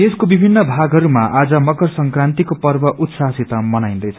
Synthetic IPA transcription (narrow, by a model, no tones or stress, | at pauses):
eskobibʱinːʌbʱaɡɦʌɾumaʔad͡zʌmʌkʌrsʌŋkrant̪ikopʌrbʌʔut̪sasit̪ʌmʌnajnd̪ʌjt͡sʰʌ